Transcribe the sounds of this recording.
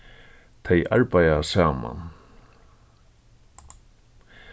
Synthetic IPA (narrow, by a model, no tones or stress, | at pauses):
t̪ʰejʔaɹpajasaːma̰n